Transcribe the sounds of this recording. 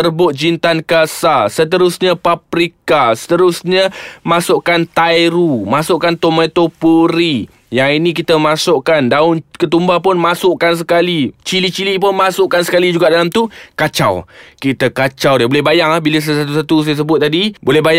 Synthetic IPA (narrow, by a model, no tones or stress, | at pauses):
ərbʊt̪̚d͡ʒint̪ankasasət̪əɾʊsɲəpapɾikasə̥t̪əɾʊsɲəmasʊʔkant̪ajɾumasʊʔkant̪omet̪opuɾi | jaŋinik̬it̪əmasʊʔkandaʊnkət̪umbapʊnmasʊʔkans̬əkalit͡ʃilit͡ʃilip̬ʊnmasʊʔkansə̥kalid͡ʒuɡaʔdalamt̪ukat͡ʃa̰wkit̪akat͡ʃawdiabolɛhbajaŋahbiləs̬alasat̪usat̪us̬ajas̬əbʊt̪̚ːadibolɛhbaj